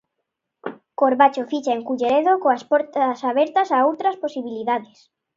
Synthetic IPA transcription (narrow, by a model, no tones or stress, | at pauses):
koɾβat͡ʃofit͡ʃaeŋkuʎeɾeðokoaspɔɾt̪asaβɛɾt̪ɐsaowt̪ɾɐsposiβiliðaðɪs